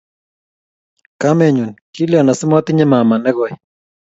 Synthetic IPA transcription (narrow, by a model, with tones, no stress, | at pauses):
kamɛ˨ɲu˨nki˦ljɔ˨na˨sɪ˦mɔ˦t̪ɪ˦ɲɛ˦ma˨ma˨nɛ˦ɣɔ˨j